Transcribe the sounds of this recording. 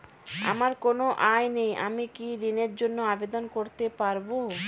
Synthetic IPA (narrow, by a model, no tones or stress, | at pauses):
a̰maɾkonoʔajnejʔa̰mikiɾineɾd͡ʑonːoabed̪onkoɾt̪epaɾbo